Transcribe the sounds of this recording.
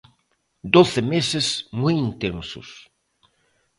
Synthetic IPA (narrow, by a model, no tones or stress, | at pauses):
d̪oθɪmesɪsmujint̪ensʊ̰s